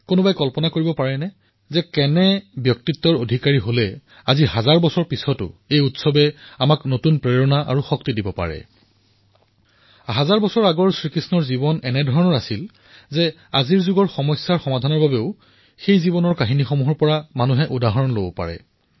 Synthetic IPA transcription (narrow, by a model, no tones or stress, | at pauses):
konʊbajkɔlpɔnakoɹibɔpaɹɛnɛ | zɛkɛnɛbjɔk̚titːɔɹodʱikaɹiɦolɛ | aziɦazaɹbɔsɔɹpisɔtʊ̰ejutsɔbɛamaknotunpɹɛɹɔnaʔa̰ɹuxɔktidibɔpa̰ɹɛ̰ | ɦazaɹbɔsɔɹaɡɔɹsɹikisnɔɹzibɔnɛnɛdʱɔɹɔnɔɹasil | zɛ | aziɹzuɡɔɹxɔmɔsːaɹxɔmadʱanɔɹbabeʊ | xejzibɔnɔɹkaɦinixomuɦɔɹpɔɹamanuɦɛʔudaɦɔɹɔnlo̰bɔpa̰ɹɛ̰